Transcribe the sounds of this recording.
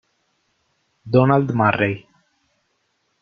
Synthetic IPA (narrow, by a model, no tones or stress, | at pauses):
d̪ɔnald̪marej